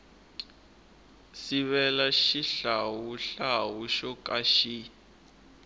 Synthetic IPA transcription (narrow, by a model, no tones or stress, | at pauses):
siβɛlaʃiɬawuɬawuʃɔkʼaʃi